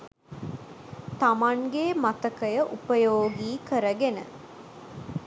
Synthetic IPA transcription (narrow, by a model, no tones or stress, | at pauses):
t̪ɐmɐŋɡeːmɐt̪ɐkəjəʔupəjoːɡiːkəɾɐɡenə̰